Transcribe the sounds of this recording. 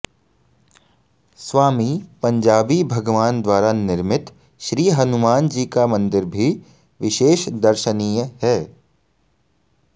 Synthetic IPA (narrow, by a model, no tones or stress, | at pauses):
sʋaːmipɐ̃ɲd͡ʒaːbibʱɐɡʋaːnd̪waːɾanɪɾmɪt̪ | ʃɾiːɦɐnʊmaːnd͡ʒiːkamɐ̃nd̪ɪɾbʱi | ʋɪʃeːʃd̪ɐɾʃəniːjəɦɛː